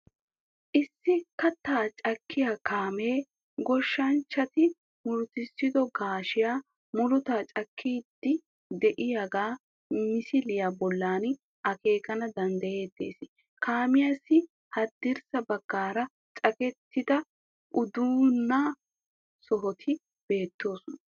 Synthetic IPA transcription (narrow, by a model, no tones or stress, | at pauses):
ʔɪsːɪkɐt̪ːaːt͡ʃʼɐkːɪjaːkaːme̞ː | ɡɔʃːɐnt͡ʃːɐt̪ɪ | mʊlʊt̪ɪsːɪd̪ɔɡaːʃɪjaː | mʊlʊt̪aːt͡ʃʼɐkʰːiːd̪ːɪ | d̪ɛʔɪjaɡaː | mɪsɪlɪjaːbɔlːaːn | ʔɐke̞ːkɐnɐd̪ɐnd̪ɐje̞ːd̪e̞̰ːsɪ | kʰaːmɪjasːɪ | hɐd̪ːɪɾsɐbɐɡ̥ːaːɾɐ | t͡ʃʼɐkɛt̪ʰːɪd̪ɐ | ʔʊd̪uːnːa | sɔɦɔt̪ʰɪ | b̥e̞ːt̪ːo̞ːsɔnɐ